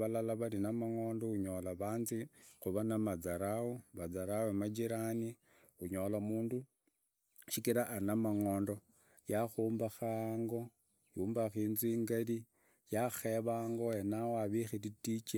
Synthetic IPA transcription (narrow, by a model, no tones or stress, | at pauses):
βalalaβalinamaŋo̞ːndouɲo̞laβaːnzixuβanamad͡zaɾaoβad͡zaɾawemad͡ʒiɾani | uɲo̞lamuːndu | ʃikiɾaʔːnamaŋo̞ːndo̞ | jaxuːmbaxaːŋɡo̞ | juːmbaxiːnzwiŋɡali | jaxeβaːŋɡo̞enawoaβixititit͡ʃe